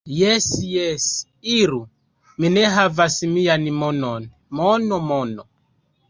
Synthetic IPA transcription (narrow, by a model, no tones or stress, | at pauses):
jɛsjɛs | iɾu | minɛɦavasimijanimɔnɔn | mɔnɔmɔnɔ